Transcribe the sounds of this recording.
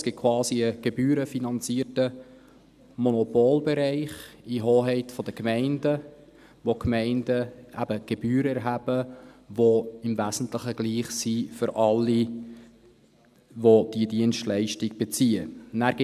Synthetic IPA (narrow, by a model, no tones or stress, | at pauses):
sɡ̥ɪt̚kʰwɑːsiəɡ̥ebyːɾəfinɑnt͡siːətə | mɔnɔpoːlbɛɾɛɪχiɦoːɦɛɪtfɔd̥əkmæɪndə | ʋokmæɪndəæ̰b̥əɡ̥eb̥yːɾəɛɾɦæb̥əʋoɪmvæzn̩tlɪχəɡ̥liːχsifʏɾʔɑlːi | ʋod̥iədiənstlɛɪʃtiɡb̥et͡siːənæːɾɡ̥ɪ